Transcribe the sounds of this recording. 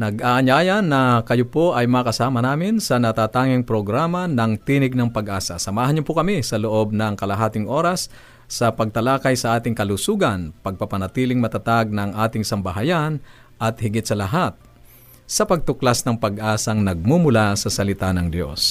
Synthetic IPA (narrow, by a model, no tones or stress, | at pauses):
nɐɡʔaːʔɐɲaːjɐnːɐkɐjopo̞ʔɐjmɐkɐsaːmɐnaːmɪnsɐnɐt̪aːt̪aːŋɪŋpɾoɡɾaːmɐnɐŋt̪iːnɪɡ̚nɐŋpɐɡʔaːsɐ̰sɐmaːhɐnɲʊpokɐmisɐloʔo̞b̚nɐŋkɐlɐɦaːt̪ɪŋʔo̞ːɾɐsː | ɐpɐɡ̚t̪ɐlaːkɐjsɐʔaːt̪ɪŋkɐlusuːɡɐnpɐɡ̚pɐpɐnɐt̪iːlɪŋmɐt̪at̪aɡ̚nɐŋʔaːt̪ɪŋsɐmbɐɦajan | ʔɐt̪̚hɪɡɪt̪sɐlɐɦat̪̚ | sɐpɐɡ̚t̪ʊklasnɐŋpɐɡʔaːsɐŋnɐɡ̚mumʊlasɐsɐlɪt̪anɐŋd̪jo̞̰s